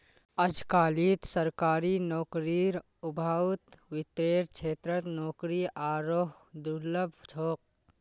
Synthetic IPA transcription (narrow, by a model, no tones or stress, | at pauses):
əd͡ʒʱkaːlit̪səɾkaːɾinɔːkɾiɾ | ʊbʱaːt̪ʋɪt̪ɾeːɾt͡ʃʰeːt̪ɾət̪nɔːkɾiʔaːɾoːɦ | d̪uləbʱd͡ʒʰʱoːk̚